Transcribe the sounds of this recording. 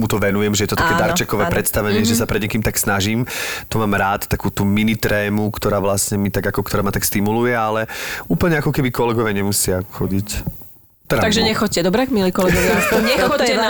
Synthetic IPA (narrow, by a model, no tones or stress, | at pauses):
mut̪ɔʋɛnujɛmʒɛjɛt̪ɔt̪akɛːd̪aɾt͡ʃɛkɔʋɛːpɾɛt̪st̪aʋɛɲɪɛʒɛsapɾɛd̪ɲɛkiːmt̪aksnaʒiːmt̪ɔmaːmɾaːt̪t̪ːakuːt̪uːminit̪ɾɛːmukt̪ɔɾaːʋlasɲɛmit̪aɡakɔkt̪ɔɾaːmat̪akst̪imulujɛalɛuːpl̩ɲɛakɔkɛbikɔlɛɡɔʋjaɲɛmusɪaxɔɟic | t̪ɛɾat̪aɡʒɛɲɛxɔcːɛd̪ɔbɾɛɡmiliːkɔlɛɡɔʋjsɲɛɔɛ